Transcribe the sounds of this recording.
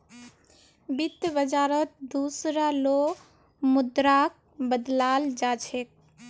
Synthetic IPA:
bit̪bəd͡ʒaːɾət̪̚d̪usɾalo | mʊd̪ɾak̚bəd̪lald͡ʒat͡ʃʰek̚

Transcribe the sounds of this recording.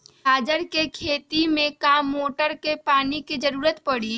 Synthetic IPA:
ɦaːd͡ʒəɾkekʰeːt̪imẽkaːmːoːʈəɾkepaːniked͡ʒəɾuːɾət̪pəɽi

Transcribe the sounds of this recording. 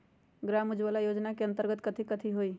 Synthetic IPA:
ɡɾaːmʊd͡ʒʋalajoːd͡ʒnakeɐ̃nt̪əɾɡət̪kət̪ʰikət̪ʰiɦoːiː

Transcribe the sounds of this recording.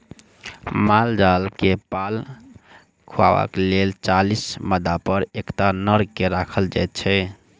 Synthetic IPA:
mald͡ʒalkepal | kʰua̰ʋa̰kelelt͡ʃalisməd̪apəɾekt̪anəɾkeɾakʰəld͡ʒa̰jt̪̚t͡ʃʰɛ

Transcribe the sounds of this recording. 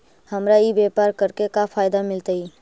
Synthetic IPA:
hɐmɾaibeːpaːɾkəɾkekapʰaːjd̪amɪlt̪aiː

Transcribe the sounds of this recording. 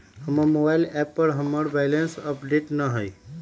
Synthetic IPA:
həməmobaɪlɛpːəɾɦəməɾbɛjlensəpɖeʈnəɦəj

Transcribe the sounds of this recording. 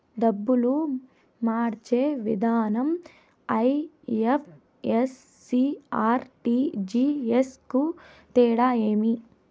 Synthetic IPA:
d̪ɐbːulu | maːɾt͡ʃeːʋḭd̪ʱaːnɐm | ɐj | epʰ | esː | iaːɾʈid͡ʒiːesku | t̪ɛːɽaːeːmi

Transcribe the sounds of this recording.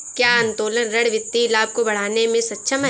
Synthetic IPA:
kjaːə̃nt̪oːlənɾɐɽʋɪt̪ːilaːb̚kobɐɽ̤aːnemẽsɐtːʃʰəmɦ

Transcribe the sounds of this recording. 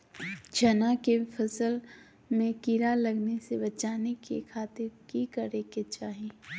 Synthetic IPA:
d͡ʒʰɐnakefɐsəl | mẽkiɾalɐɡnesebɐt͡ʃaːnekḛkʰaːt̪ɪɾkikɐɾeket͡ʃaːɦii

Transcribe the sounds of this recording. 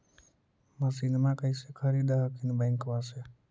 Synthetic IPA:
məsinmãkəɪsekʰəɾiːd̪aɦəkinbəŋkʋase

